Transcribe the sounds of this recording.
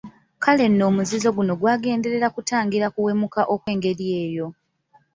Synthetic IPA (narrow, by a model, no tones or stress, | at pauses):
kale̞nːo̞ːmuzizo̞ɡuno̞ɡwaːɡe̞ːnde̞ɾe̞ɾakutaːŋɡiɾakuwe̞mukaʔo̞kwe̞ːŋɡe̞ɾije̞ːjo̞